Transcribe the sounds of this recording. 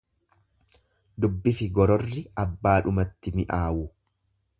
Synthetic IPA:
d̪ʊbːɪfɪɡɔɾɔrːɪɐbːaːᶑʊmɐt̪ːɪmɪʔaːwʊ

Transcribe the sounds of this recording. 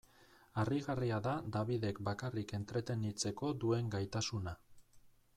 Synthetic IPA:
ariɣariaðad̪aβ̞iðe̞kbakarike̞nt̪ɾe̞t̪e̞nit͡se̞ko̞ðue̞ŋɡajt̪asuna

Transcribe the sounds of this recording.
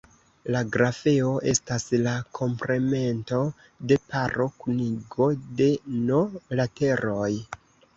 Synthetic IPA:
laɡɾafe̞o̞ʔe̞̰staslakʰo̞mpɾe̞me̞nto̞ | de̞paɾo̞kuniɡo̞de̞nolate̞ɾo̞j

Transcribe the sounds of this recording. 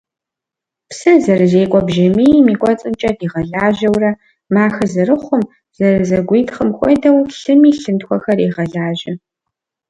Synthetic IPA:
psɨzɐrɨzeːkʷʼɔbʒɪmiːjmiːkʷʼɔt͡sʼɨnt͡ʃʼɐdiːʁɐɮaːʒɐwrɐ | maːxɐzɨrɨχʷʊm | z̥ɐrɨzɐɡʷiːtχəmxʷɔ̰dɐwɬɨmiːɬɨntxʷɔxɐriːʁɐɮaːʒɐ

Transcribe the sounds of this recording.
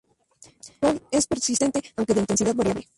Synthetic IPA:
olespeɾsist̪e̞nt̪eawŋkeðeint̪e̞nsiðaðβaɾjaβle

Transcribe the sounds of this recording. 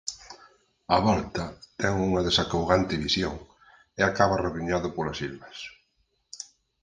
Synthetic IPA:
aβɔlt̪ɐt̪ɛŋuŋɐðesakawɣant̪ɪβisjoŋ | eakaβɐreβiɲaðʊpolasilβɐs

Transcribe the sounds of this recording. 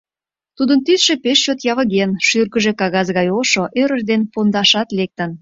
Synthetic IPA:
t̪ud̪ənt̪ysʃepeʃt͡ɕot̪jɑβə̆ɣenʃyrkəʒekɑɣɑzɣɑjoʃoʔøɾəʒd̪enpond̪ɑʃɑt̪lek̚t̪ən

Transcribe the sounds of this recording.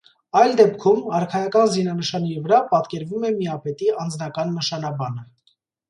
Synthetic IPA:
ɑjld̪ɛpkʰumɑɾkʰɑjɑkɑnzinɑnəʃɑnɛɾivəɾɑpɑt̪kɛɾvumɛmiɑpɛt̪iɑnd͡znɑkɑnːəʃɑnɑbɑnə

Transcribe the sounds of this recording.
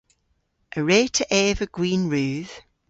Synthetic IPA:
ʔəɹeːtʰəʔɛːvəɡ̥ɹĩːnɹʉːð̥

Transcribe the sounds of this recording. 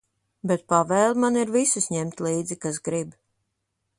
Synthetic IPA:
bet̪̚pavɛːlmaniɾvisisɲɛmt̪ʲliːd̪zikas̬ɡɾib

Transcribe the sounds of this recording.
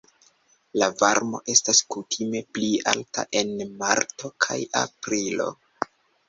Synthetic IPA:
lavaɾmo̞̰ʔe̞staskutʰime̞plia̰lta̰ʔe̞nmaɾto̞kʰajapɾilo̞̰

